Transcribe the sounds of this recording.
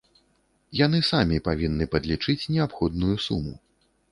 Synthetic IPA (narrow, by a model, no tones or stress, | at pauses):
jan̪ɨsamʲipavʲinːɨpɐd̪lʲit͡ʂɨt͡sʲnʲɛapxɔd̪̚nujusumṵ